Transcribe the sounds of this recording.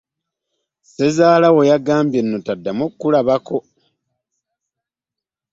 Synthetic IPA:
se̞zaːlawojaɡaːmbje̞nːo̞tadːamokːulaβako̞

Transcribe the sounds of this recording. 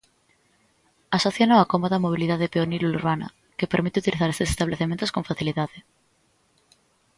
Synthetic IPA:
asoθjonoakomoðamoβ̞iliðaðepeoniluluɾβana̰ | ke̞peɾmit̪eut̪iliθaɾe̞st̪esest̪aβleθement̪o̞skõ̞ɱfaθiliðaðe

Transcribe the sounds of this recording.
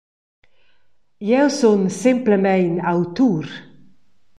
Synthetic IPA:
jɛwsonsɪmpləmɛjnawt̪uɾ

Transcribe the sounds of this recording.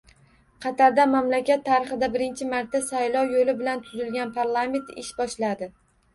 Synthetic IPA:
qʰɑt̪ʰaɾd̪amamlakʲat̪ʰːaɾɪχɨd̪abɪɾɪnt͡ʃʰɪmaɾt̪ːasajlˠɒwjolɪbɪlant̪ʰʊzɪlɡʲanpʰaɾlˠame̞nt̪ɪ̰ʃbɒʃlad̪ɪ

